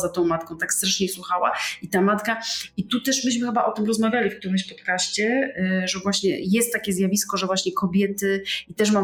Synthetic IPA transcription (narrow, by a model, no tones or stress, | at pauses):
zat̪ɔ̃w̃mat̪̚kɔ̃w̃t̪akst̪ɾaʂɲɛswuxawa̰it̪amat̪kait̪ut̪ɛʂmɘɕmɘxɘbaʔɔt̪ɘmɾɔzmavʲjalʲifk̚t̪uɾɘmɕpɔt̪kaɕt͡ɕɛʐɛvwaɕɲɛ̰jɛst̪ːakʲɛzʲjavʲiskɔʐɛvwaɕɲɛkɔbʲjɛt̪ɘit̪ɛʂma